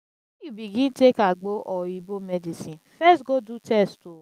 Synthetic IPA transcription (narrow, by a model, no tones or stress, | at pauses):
jubiɡĩntekaɡ͡boʔɔibomɛdisĩnfɛstɡodutʰɛsto